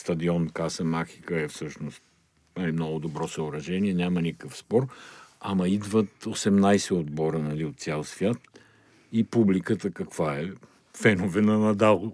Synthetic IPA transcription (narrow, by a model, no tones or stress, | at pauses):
st̪ɐd̪iɔnkasəmaxi̥kəɛfsɤʃnost̪ | nalimnɔɡʊd̪obɾɔsəʊɾɐʒɛniɛnʲamɐnikəkəfspɔɾɐmɐid̪vət̪osɛmnajsɛod̪̚bɔɾənɐliot̪t̪sʲalˠsvʲjat̪ | ipublikət̪əkɐkvaɛ | fɛnovɛnɐnɐd̪alˠ